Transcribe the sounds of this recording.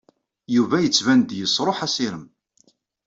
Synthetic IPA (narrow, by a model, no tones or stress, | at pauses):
juvæjət͡sːvænd̪jəsˤːɾˤoħæsiɾəm